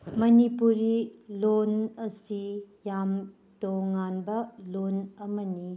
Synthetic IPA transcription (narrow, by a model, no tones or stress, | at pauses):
mɐnipuɾilonɐsijam | toŋanbɐlonɐmɐni